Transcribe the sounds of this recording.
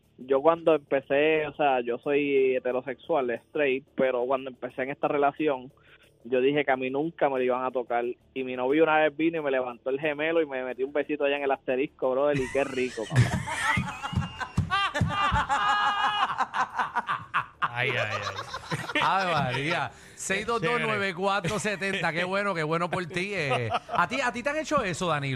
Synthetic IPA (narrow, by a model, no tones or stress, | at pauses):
d͡ʒo̞kwand̪o̞empe̞se̞oseaʝo̞so̞jet̪e̞ɾo̞se̞kswalest̪ɾejt̪̚pe̞ɾo̞kwand̪oe̞mpe̞se̞eːŋe̞st̪are̞lasjo̞ŋ | d͡ʒo̞ðihe̞keaminũŋkame̞loiβaŋat̪o̞kal | imino̞βjunaβe̞zbinoime̞le̞βant̪o̞elɦe̞me̞loime̞met̪iumbe̞sit̪oajaeŋelast̪e̞ɾihkoβɾoðelike̞rikopa̰pɾa̰ | ajaa̰jajβalia | sejðo̞dd̪onweβekwat̪ɾoset̪ẽ̞nt̪akeβwe̞nokeβwe̞no̞po̞lt̪ieat̪iat̪it̪eaŋe̞t͡ʃo̞e̞so̞ðani